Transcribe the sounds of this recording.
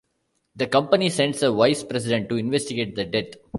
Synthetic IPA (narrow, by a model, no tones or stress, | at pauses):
d̪əkʌ̃mpənisɛ̃ɳɖsəʋaɪspɾɛs̬ɪɖə̃ɳʈːuɪ̃nʋɛsʈiɡeːʈ̚d̪əɖɛt̪